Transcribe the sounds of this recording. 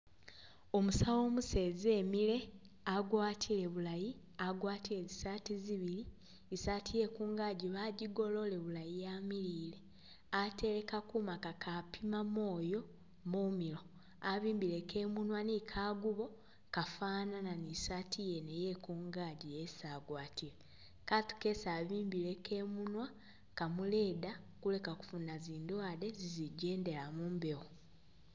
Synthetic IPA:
o̞musawo̞ːmuse̞ːze̞ːmile̞ | aɡwaːtʰile̞βulaji | aɡwaːtile̞zisaːtiziβili | isaːtʰije̞kuːŋɡaːɟiβaɟiɡo̞lo̞le̞βulajijamiliːle̞ | ate̞ɾe̞kakumakakʰapʰimamo̞ːjo̞ | mumilo̞ | aβiːmbile̞ke̞ːmunwanikʰaːɡuβo̞ | kafaːnananisatʰijeneje̞kuːŋɡaːɟijesaːɡwaːtile | katu̥ke̞saːβiːmbile̞kʰe̞munwa | kamule̞ːda | kule̞kaku̥funaziːndwaːdeziziɟe̞ːnde̞lamuːmbe̞ɣo

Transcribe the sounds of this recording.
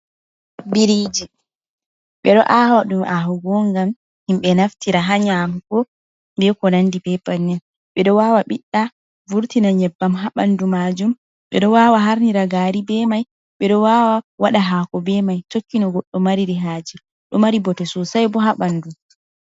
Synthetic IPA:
biɾid͡ʒi | ɓɛɗɔʔahwaɗumʔaɦɔɡɔŋɡam | himɓɛnaftiɾaɦaɲamɡɔ | ndɛkɔnandipɛpanːɛn | ɓɛɗɔwaːwaɓiɗːa | vuɾtinaɲɛbːamɦaɓandumad͡ʒum | ɓɛ̰ɗɔwawaɦaɾniɾaɡaːɾibɛmaj | ɓɛɗɔwawawaɗaɦaːkɔbɛmajtokːinɔɡɔɗːɔmaɾiɾiɦaːd͡ʒi | ɗɔmaɾibɔtɛsɔsajbɔɦaɓandum

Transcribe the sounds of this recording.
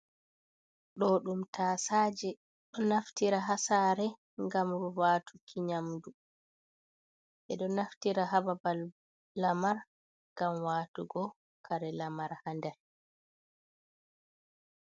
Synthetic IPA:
ɗɔɗumtʰaːsaːd͡ʒɛ | ɗɔnaftiɾaɦasaːɾɛ | ŋɡamɾuwaːtʰu̥kʰiɲamdu | ʔɛɗɔnaftiɾaɦababalː | amaɾ | ŋɡamwaːtuɡɔ | kʰaɾɛlamaɾhandɛɾ

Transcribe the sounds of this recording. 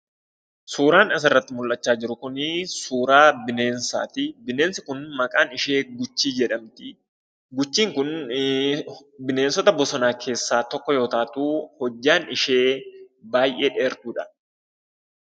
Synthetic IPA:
suːɾaːnɐs̬ɐrːɐt̪ːɪmʊlʔɐt͡ʃːaːd͡ʒɪɾʊkʊnɪsuːɾaːbɪne̞ːnsa̰ːt̪ɪbɪne̞ːnsɪkʊnmɐkʼaːnɪʃe̞ːɡʊt͡ʃːiːd͡ʒɛᶑɐmt̪ɪ | ɡʊt͡ʃːiːŋkʊn | bɪne̞ːnsɔt̪ɐbɔsɔnaːkʰe̞ːsːaːt̪ɔkːɔjo̞ːt̪aːt̪uːhɔd͡ʒːaːnɪʃe̞ːbaːjʔe̞ːᶑeːɾt̪uːᶑɐ̥

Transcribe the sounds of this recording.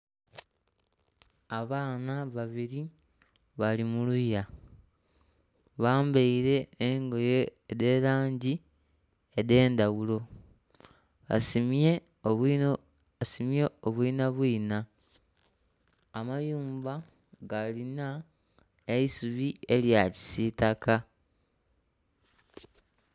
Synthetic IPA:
aβaːnaβaβiɾi | βalimuluja | βaːmbeiɾe̞ːŋɡo̞je̞ede̞ːɾaːɲɟi | ede̞ːnd̪awulo̞ | a̰sime | asimje̞oβwiːnaβwiːna | majuːmba | ɡalina | eisuβie̞ljaci̥sitaka

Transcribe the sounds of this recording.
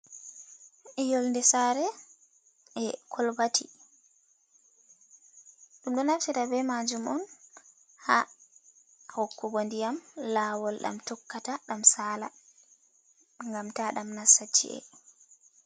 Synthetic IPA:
ʔɛjolndɛsaɾɛ | ɛkʰɔlbatʰi | ɗumɗɔnaftitabɛmad͡ʒumɔn | ha | hɔkːɔɡondijamlawɔlɗa̰mtɔkːataɗamsaːla̰ | ŋɡamtaɗamnasːat͡ʃːḭʔɛ̰

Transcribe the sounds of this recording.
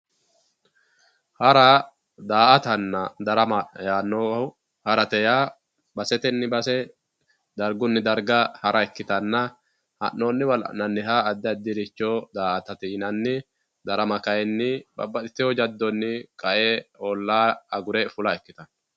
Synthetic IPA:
hɐɾɐ | d̪aːʔɐt̪ɐnːɐd̪ɐɾɐmɐjaːnːoʊ | hɐɾɐt̪ɛjaː | bɐsɛt̪ɛnːɪbɐsɛ | d̪ɐɾɡʊnːɪd̪ɐɾɡɐhɐɾʔɐɛkːɪt̪ɐnːɐ | hɐ̰nːoːnːɪwɐlɐ̰nɐnːɪɦaːd̪ːɛɐd̪ːɪɾɪt͡ʃːoːd̪aːʔɐt̪ɐt̪ɪnɐnːɪ | d̪ɐɾɐmɐkɐjɛnːɪbɐ̰bːɐt̪ʼɪ̥t̪ːɪjɔd͡ʒɐd̪ːɔnːɪkʼɐʔeoːlːaːɐɡʊɾɛfʊlɐɛkːɪt̪ɐn

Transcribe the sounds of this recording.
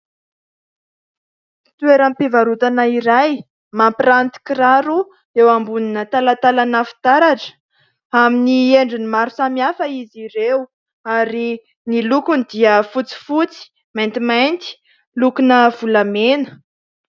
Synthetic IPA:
t̪weɾampevaɾut̪anaiɾaj | mampirant̪i̥kiraɾu | ewambuninət̪alat̪alanəfi̥t̪aɾaʈ͡ʂə̥ | aminieɳɖ͡ʐinimaɾusamiafəiziɾew | aɾi | nilukund̪iəfut͡si̥fut͡si̥ | majnt̪imajnt̪i̥ | lukunəv̥ulamenə̥

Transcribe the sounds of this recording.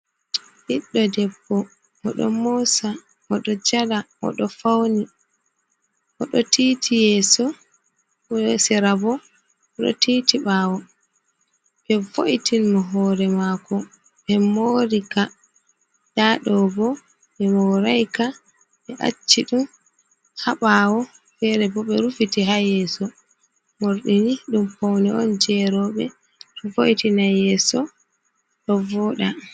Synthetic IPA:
ɓiɗːɔdɛbːɔ | ʔɔɗɔ̰mɔsa | ʔɔɗɔd͡ʒala | ɔ̰ɗɔfawni | ʔɔɗɔtʰiːtʰijɛːsɔ | sɛɾabɔ | ɔɗɔ̰tiːtiɓaːwɔ | bɛvoʔitinmɔɦɔːɾɛmaːkɔ | ɓɛmoɾika | ɗaɗɔɡɔ | ɓɛmɔɾajka | ɓɛʔa̰t͡ʃːiɗum | haɓawɔ | fɛɾɛbɔɓɛɾufitiɦajɛsɔ | moɾɗiniɗumpɔwnɛɔ̰nd͡ʒɛɾɔɓɛ̰ | ɗɔvoʔitinajɛsɔ | ɗɔvɔɗa

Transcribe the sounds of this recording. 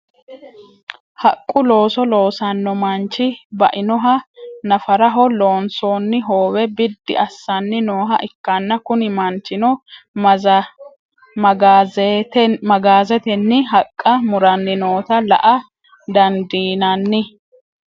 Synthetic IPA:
hɐkʼːʊlo̞ːsɔlo̞ːsɐnːɔmɐnt͡ʃːɪbɐʔɪnɔɦɐnɐfɐɾɐɦɔlo̞ːnsoːnːɪɦoːwɛbɪd̪ːɪ̰ʔɐsːɐnːɪnoːɦɐ̰ʔɪkːɐnːɐkʊnɪmɐnt͡ʃːɪnɔ | tmɐɡaːzɛt̪ɛnːɪɦɐkʼːɐmʊɾɐnːɪnoːt̪ɐlɐ̰ʔɐ | d̪ɐnd̪iːnɐnːɪ

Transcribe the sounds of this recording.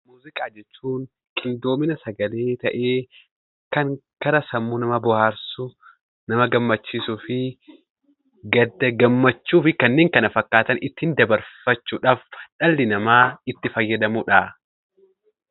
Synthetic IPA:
muːzɪkʼaːd͡ʒɛt͡ʃːuːn | kʰɪnd̪o̞ːmɪnɐsɐɡɐle̞ːt̪ɐʔeː | kɐŋkɐɾɐsɐmːunɐmɐbʊhaːɾsʊ | nɐmɐɡɐmːɐt͡ʃːiːsʊfɪ | ɡɐd̪ːɐɡɐmːɐt͡ʃːuːfɪkɐnːeːŋkɐnɐfɐkːaːt̪ɐnɪt̪ːɪɪnd̪ɐbɐɾfɐt͡ʃːʊᶑaːfᶑɐlːɪnɐmaːɪt̪ːɪfɐjːɐd̪ɐmʊᶑaː

